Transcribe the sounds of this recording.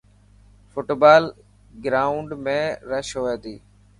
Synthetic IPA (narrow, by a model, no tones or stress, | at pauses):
fʊʈbaːl | ɡɾaːʊɳɖmẽːɾəʃɦoːeːt̪iː